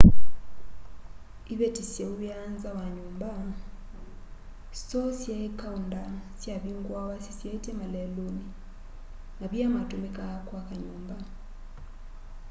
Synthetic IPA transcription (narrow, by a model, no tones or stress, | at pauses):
iβetisjeuβjanzawaɲumba | sɔsjaekaundasjaβiŋɡwawasisjaitemalɛloni | naβjamatumikakwakaɲuːmba